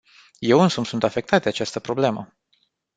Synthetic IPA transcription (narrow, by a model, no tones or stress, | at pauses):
je̞wɨnsumsunt̪afe̞k̚t̪at̪̚d̪eat͡ʃast̪əpɾo̞ble̞mə